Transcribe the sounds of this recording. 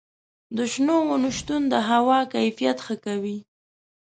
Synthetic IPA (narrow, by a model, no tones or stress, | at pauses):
d̪əʃnowʊnəʃt̪und̪əɦawɑkajfijat̪xəkawi